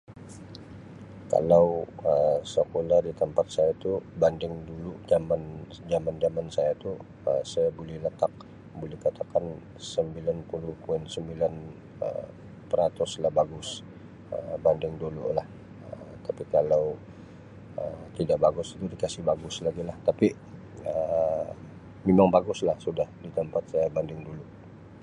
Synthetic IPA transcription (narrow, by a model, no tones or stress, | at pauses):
ka̰lawəsəkoladit̪əmpat̪̚sajait̪ubandɪŋduluʔd͡ʒaman | d͡ʒamand͡ʒamansajat̪u | əsajabulɛhlət̪ak̚ | bulɛhkat̪akan | səmbilanpulʊhpuɪnsəmbilan | ə̰ | pəɾat̪ʊslahbaɡʊs | əbandɪŋdulṵlah | ət̪apikalaw | ət̪idaʔbaɡʊsi̥t̪udikasɪhbaɡʊslaɡilaht̪api | ə | memaŋbaɡʊslahsudahdit̪əmpat̪̚sajabandɪŋdulu